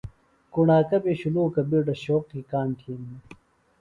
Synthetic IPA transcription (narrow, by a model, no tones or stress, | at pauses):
kuɳaːkɐbeɕuluːkɐbiːɖɐɕoːqkikaːnʈ̪ʰiːni